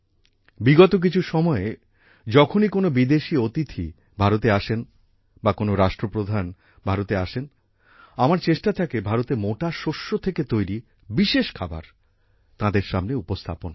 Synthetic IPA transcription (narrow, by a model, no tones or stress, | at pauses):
biɡɔt̪ok̬it͡ɕʰuʃɔmɔe | d͡ʑɔkʰonikonobid̪eʃiot̪it̪ʰḭ | bʱaɾot̪̬eaʃen | bakonoɾaʃʈɾopɾod̪ʱan | bʱaɾot̪eaʃen | amaɾt͡ɕeʃʈat̪ʰakebʱaɾot̪emoʈaʃoʃːot̪ʰeket̪ojɾi | biʃeʃkʰaba̰ɾ | t̪ãd̪eɾʃamneupost̪ʰa̰pon